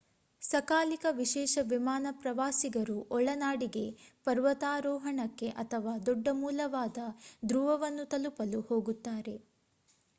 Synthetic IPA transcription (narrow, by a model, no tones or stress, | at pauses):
sɐkaːlikɐʋiʃɛːʃɐʋimaːnɐpɾɐʋaːsiɡɐɾuʔɔɭɐnaːɽiɡe̞pɐɾʋɐt̪aːɾɔːɦɐɳɐkːe̞ʔɐt̪ʰɐʋaːd̪ɔɖːɐmuːlɐʋaːd̪ɐd̪ɾuʋɐʋɐnːut̪ɐlupɐluho̞ːɡut̪ːaːɾe̞